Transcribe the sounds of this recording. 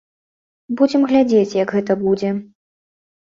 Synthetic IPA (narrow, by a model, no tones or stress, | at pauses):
bud͡zʲɛmɣlʲad͡zʲet͡sʲjɐɡɣɛt̪ɐbud͡zʲɛ